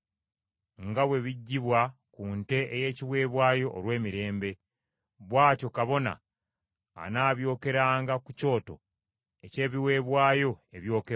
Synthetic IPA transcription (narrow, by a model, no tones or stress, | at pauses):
ŋɡawe̞βiɟːiβwakuːnte̞ʔeje̞ːciwe̞ːβwaːjo̞ʔːlwe̞ːmiɾe̞ːmbe̞ | βwaːco̞kaβo̞na̰ː | naːβjo̞ːke̞ɾaːŋɡakuco̞ːto̞̰ | ece̞ːβiwe̞ːβwaːjo̞e̞βjo̞ːke